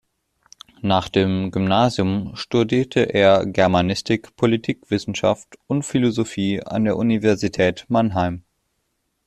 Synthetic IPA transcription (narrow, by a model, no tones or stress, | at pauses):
naːχd̥eːmɡʏmnaːzjʊmʃtudiːɐtʰəʔeːɐɡɛɐmanɪstʰɪkpʰolitʰiːkv̥ɪsn̩ʃa̰ftʊntfilozofiːa̰ndeːɐʔunivɛɐzitʰɛːtmanɦaɪm